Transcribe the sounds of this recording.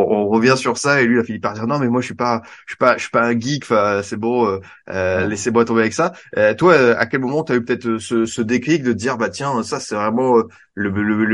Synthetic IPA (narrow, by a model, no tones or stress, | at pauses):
ɔ̃ʁəvjɛ̃syʁsaelɥilafilipːaʁd̪iʁnɔ̃mɛmwaʒʃipaʃɥi̥paʃɥi̥paɛ̃ɡʲikfɛ̃øsɛbɔ̃ø | ølesemwat̪ɔ̃beavɛksaøt̪waøa̰kʲɛlmɔmɑ̃t̪yaypət̪ɛt̪χəsəsəd̪eklik̚d̪əd̪iʁbat̪jɛ̃øsasɛvʁɛmɑ̃ø | lələ